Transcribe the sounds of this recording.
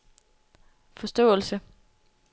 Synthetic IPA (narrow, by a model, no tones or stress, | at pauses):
fɒ̽sd̥ɔ̰̽ːl̩sə